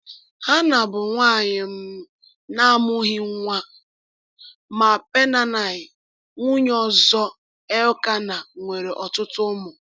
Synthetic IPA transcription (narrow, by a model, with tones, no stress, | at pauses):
ha˦na˨bʊ˨ŋʷaː˦˨ɲɪ˨m̩˦ | na˦mʊ˦ɦi˦ŋ˦ŋʷa˦ | ma˨pe˦na˦na˨ɪ˨ | ŋu˦ɲ˦ɔ˨zɔ˦ | e˦ʊ˦ka˦na˨ŋʷe˨ɾe˨ʔɔ˨tʊ˦tʊ˦mʊ˨